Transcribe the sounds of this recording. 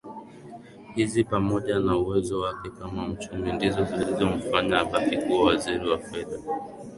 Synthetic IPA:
hizipamɔʄanauwɛzɔwakɛkamam̩t͡ʃumindizɔzilizɔm̩faɲaːɓafikuawaziɾiwafɛða

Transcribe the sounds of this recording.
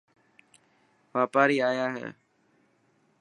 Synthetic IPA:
ʋaːpaːɾiːaːjaːɦḛː

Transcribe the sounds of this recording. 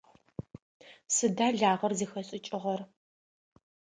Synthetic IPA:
sɨdaːɮaːʁɐrziːxɐɕʼɪt͡ʃʼɪʁɐr

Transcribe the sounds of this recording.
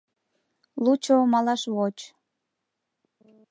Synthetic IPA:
lut͡ɕomɑlɑʃβot͡ɕ

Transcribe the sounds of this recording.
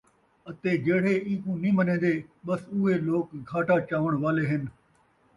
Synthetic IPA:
ɐt̪eːd͡ʒeːɽ̤eĩːkũːnĩːmɐnẽːnd̪eːɓɐsʊɦeloːkɡʱaːʈaːt͡ʃaːʋəɽ̃ʋaːleːɦɪn

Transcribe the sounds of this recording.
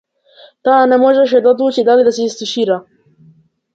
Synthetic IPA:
t̪aːnemoʒeʃ̬ed̪od̪uːt͡ʃid̪alid̪asiist̪iʃiɾa

